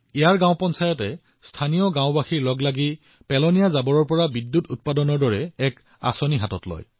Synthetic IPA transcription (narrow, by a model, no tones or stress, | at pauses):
ijaɹɡãw̃pɔnsajɔtɛ | stʰanijɔɡãw̃baxiɹlɔɡlaɡi | pɛlɔnijazabɔɹɔɹpɔɹabidːutut̚padɔnɔɹdɔɹɛɛk | a̰sɔniɦatɔtlɔ̰j